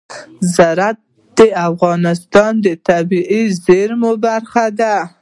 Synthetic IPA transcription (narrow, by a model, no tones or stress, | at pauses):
zaɾat̪̚ | d̪̥əafɣɑnɪst̪ɑnd̪ət̪abiʔizeɾmobaɾxad̪a